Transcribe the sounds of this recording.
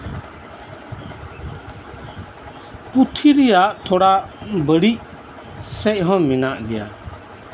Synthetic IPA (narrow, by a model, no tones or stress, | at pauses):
put̪ʰiɾijaʔt̪ʰɔɽaʔbəɽic | sɛc̚ˀɦɔ̃minaʔd̪ɛja̰